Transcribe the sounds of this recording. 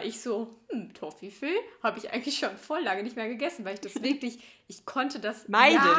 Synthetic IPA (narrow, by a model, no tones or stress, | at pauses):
ʔɪçz̥oːm̩tʰofiføːhaːbəɪçʔa̰ɪɡŋ̩tlɪçʃoːnfɔɐlaːɡənɪçtmeːɐɡəɡɛsn̩vaɪlɪçd̥asv̥ɪɐklɪç | ʔɪçkʰɔntədasaɪdə